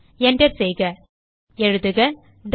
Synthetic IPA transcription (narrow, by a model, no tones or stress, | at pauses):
ɛɳɖɐɾsɛjɣɐ | ɛɻɯðɯɣɐ | ɖ